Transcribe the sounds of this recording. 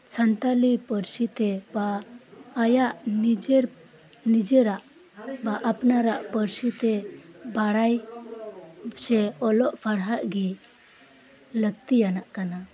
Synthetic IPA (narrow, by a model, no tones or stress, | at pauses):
t͡ʃʰənt̪alipəɾsit̪ɛbaː | jaʔnid͡ʒɛɾ | nid͡ʒɛɾaʔ | baʔapnaɾaʔpəɾsit̪ɛbaɽaj | sɛɔlɔʔpʰaɽɦaʔɡi | ləɡt̪ijanaʔkana